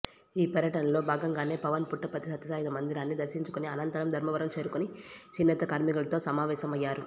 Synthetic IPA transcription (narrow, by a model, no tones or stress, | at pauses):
iːpɐɾjɐʈɐnɐlo̞ːbʱaːɡɐŋɡaːne̞ːpɐʋɐnpuʈːɐpɐt̪isɐt̪ːɐsaːjd̪ɐmɐnd̪iɾaːnːid̪ɐɾʃiɲt͡ʃu̥kuniɐnɐnt̪ɐɾɐmd̪ʱɐɾmɐʋɐɾɐmt͡ʃe̞ːɾukonit͡ʃinːɐt̪ɐkaːɾmikulɐt̪o̞ːsɐmaːʋɛːʃɐmɐjːaːɾu